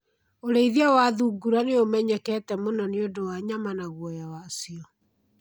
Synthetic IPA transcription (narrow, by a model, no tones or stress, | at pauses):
oɾeiðiawaðuɡuɾaneomɛɲɛkɛːtɛmonɔneodowaɲamanaɣwɔjawasiɔ